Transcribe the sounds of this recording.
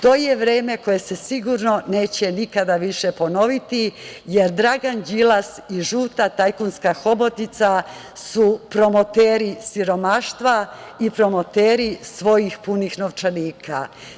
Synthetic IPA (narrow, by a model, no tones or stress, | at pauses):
t̪o̞ːje̞ʋɾeːme̞ko̞je̞se̞siɡuɾno̞ne̞ːt͡ɕe̞nikad̪aʋiʃe̞po̞no̞ʋit̪ije̞ɾd̪ɾaɡand͡ʑilasiʒuːt̪at̪ajkunskaxo̞bo̞t̪nit̪sa | supɾo̞mo̞t̪eːɾisiɾo̞maːʃt̪ʋaipɾo̞mo̞t̪eːɾisʋo̞jixpunixnoʋt͡ʃaniːkʰa̰